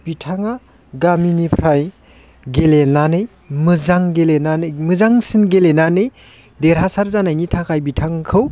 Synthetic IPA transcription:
b̥itʰaŋa | ɡaminipʰɾaj | ɡelenanɯj | mɯzaŋɡelenanɯjmɯzaŋsinɡelenanɯj | deɾɦasaɾzanajnitʰakʰajbitʰaŋkʰɯw

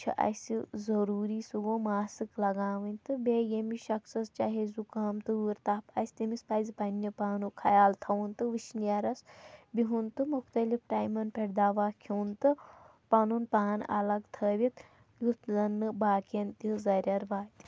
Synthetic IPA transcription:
t͡ʃʰḭʔɐ̰sizɐɾuːɾiːsuɡoːmaːsɨklɐɡaːʋɐnʲt̪ɨbejemiʃɐksɐst͡ʃaːɦezukaːmt̪ɨuɾt̪aːpɐsʲt̪ɐmispɐːzpɐnjɐpaːnukʰɐjaːlt̪ʰɐʋunt̪ɨʋiʃnijɐɾɐsbiɦunt̪ɨmuxt̪ɐlifʈaːjmɐnpeɽd̪aːʋaːkʰiːnt̪ɨ | pɐnunpaːnɐ̰lɐɡt̪ʰəːʋʲit̪ | jut̪ʰzɐnːɨbaːkɐnt̪izɐɾʲɐɾʋaːt̪i̥

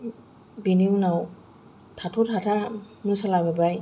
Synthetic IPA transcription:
biniwnaw | tʰatʰutʰatʰa | mɯsalababaj

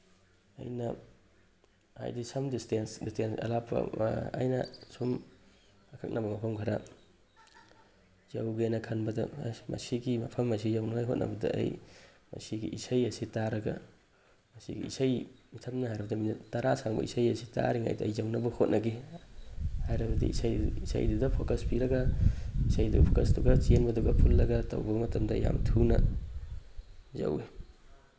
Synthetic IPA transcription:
ɐ̰jnɐ | ha̰jdisɐmdistensdistensɐ̰lapʰɐ̰ɐ̰jnɐ̰sum | akʰak̚nʔɐbɐmɐpʰɐmkʰaɾa | zawɡenɐkʰanbɐdɐmɐ̰siɡimɐ̰pʰɐmːɐs̬izawnaŋajɦot̚nɐ̰bɐdɐ̰ɐ̰j | mɐ̰siɡḭʔisajɐsitaɾɐɡɐ̰ | mɐsḭɡḭisajmitʰɐmnɐhajɾɐbɐdɐmintɐɾʔasaŋbɐ̰isajɐsi̥ta̰ɾiŋa̰jdɐːjzawnɐbɐhot̚nʔɐɡe | hajɾɐbɐdḭisajisa̰jdudɐpʰokɐspiɾɐɡɐisajdṵpʰokɐsduɡɐt͡ʃenbɐduɡɐpʰulːɐɡɐtɐ̰wbɐmɐtɐmdɐja̰mtʰunɐ̰ | zɐ̰we

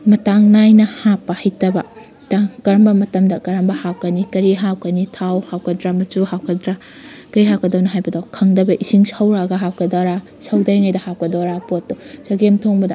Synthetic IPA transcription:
mɐtaŋnajnɐhapːɐhɐjtɐbɐ | taŋkɐɾɐmbɐmɐtɐmdɐkɐɾɐmbɐhaw̚kɐnikɐɾiɦaw̚kɐnitʰawhawkʰɐdɾamɐt͡ʃuɦawkʰɐdɾa | kɐiɦaw̚kɐdɐwnɐɦajbɐdakʰɐŋdɐbɐʔisiŋsawɾaɡɐɦaw̚kɐdaɾa | sɐwdajŋajdɐhap̚kɐdoɾapotːosɐɡemtʰoŋbɐdɐ

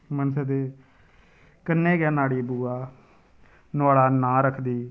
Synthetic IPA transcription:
mənsəd̪eː | kənːẽːɡɛːnaːɽiːbuːaː | naːlaːnãːɾəkʰd̪iː

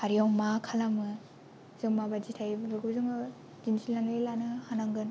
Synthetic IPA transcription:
haɾijɔŋmakʰalamɯ | zɯŋmabad͡ʒitʰajbabɯkʰuzɯŋ | d͡ʒinsilːaŋlɯjlanɯhanaŋɡɯn

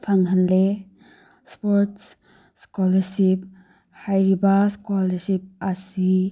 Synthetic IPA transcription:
pʰaŋɦanle | spɔɾts | skɔlɐɾsip̚ | hajɾibaskɔlɐɾsip̚asi

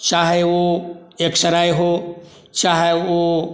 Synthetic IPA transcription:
t͡ʃaːɦeoeksɐɾaːjɦoː | t͡ʃaːɦeo

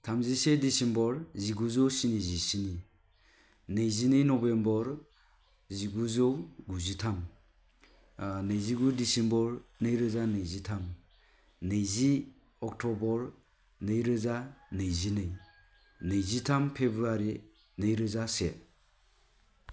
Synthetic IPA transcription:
tʰamzisedisembɔɾziɡuzɔwsinizisini | nejzinɯjnɔbembɔɾ | ziɡuzɔwɡuzitʰam | nɯjziɡudisembɔɾnɯjɾɯzanɯjzitʰam | nɯjzi | ɔk̚tʰɔbɔɾ | nɯjɾɯzanɯjzinɯj | nɯjzitʰampʰebɾuaɾi | nɯjɾɯzase

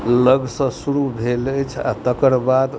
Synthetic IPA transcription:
ləɡsə̃suɾubʱelət͡ʃʰa̰t̪əkəɾbad̪

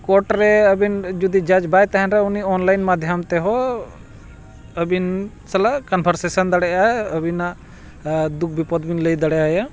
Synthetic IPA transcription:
kɔɾʈɾɛəbind͡ʒud̪id͡ʒad͡ʒbajt̪aɦɛnɾɛuniɔnlajnmad̪ʱjəmt̪ɛɦɔ | əbin | sɛlaʔkənbʱəɾsesənd̪aɽɛʔaəbʱinaʔ | d̪uk̚ʰbipɔd̪binləjd̪əɽɛaja

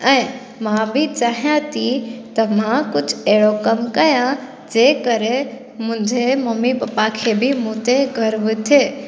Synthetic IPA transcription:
ɛ̃ː | mãbʱit͡ɕaːɦijãt̪ʰit̪ɐmãkʊd͡ʑʱeɦɽokɐmkɐjã | d͡ʑeːkɐɾe | mʊ̃ɲd͡ʑʱemɐmibapakʰebimũːt̪eɡʱɐɾʋɪt̪ʰeː

